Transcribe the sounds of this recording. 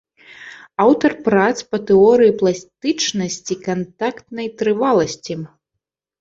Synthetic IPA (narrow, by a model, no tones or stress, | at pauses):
awt̪ɐrpɾat̪spɐt̪ɛɔɾɨjiplˠasʲt̪ɨt͡ʂnɐsʲt͡sʲikant̪akt̪nɐjt̪ɾɨvalˠɐsʲt͡sʲi